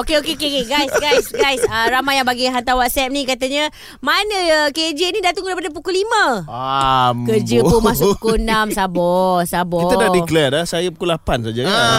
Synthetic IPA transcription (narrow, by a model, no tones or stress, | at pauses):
okeokeokekeɡajsɡajsɡajsəɾamajaŋbaɡiɦant̪awat̪sɛp̚nikat̪aɲə | manəked͡ʒənidat̪aŋdaɾipadap̬ukulimə̃akərd͡ʒəp̪umasʊukonamsabɔhsabɔkiədadiklɛrlasajapukulapansad͡ʒaa